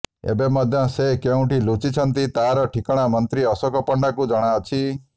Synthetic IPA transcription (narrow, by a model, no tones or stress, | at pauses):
ḛbemɔd̪ʱjɔsekeũʈilut͡ʃit͡ʃʰɔnt̪it̪aɾɔʈʰikɔɽ̃amɔnt̪ɾiɔsɔkɔpɔɳɖakud͡ʒɔɽ̃aɔt͡ʃʰi